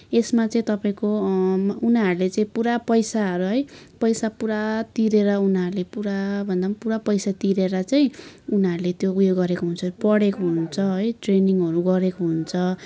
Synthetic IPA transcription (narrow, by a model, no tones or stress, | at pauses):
esmat͡sʌĩt̪ʌpaĩko | unaɾulet͡saĩpuɾapʌjsaɦʌɾuɦʌjpʌjsapuɾat̪iɾeɾʌunʌɾulepuɾabʱʌnd̪ampuɾapʌjsat̪iɾeɾʌt͡saĩunaɾulet̪joujoɡːʌɾekoɦunt͡sʰʌpʌɽekoɦunt͡sʰʌɦʌjʈreniŋʌɾuɡʌɾekoɦunt͡sʰʌ